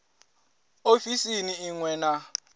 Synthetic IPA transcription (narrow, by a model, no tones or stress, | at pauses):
ofisiniːŋwɛna